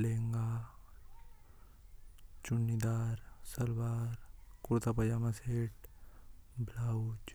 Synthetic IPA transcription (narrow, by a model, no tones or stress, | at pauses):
leːŋɡa | t͡ʃʊnːid̪aːɾsɐlwaːɾkʊɾt̪apɐd͡ʒaːmaseːʈ | bʱlaːud͡ʒ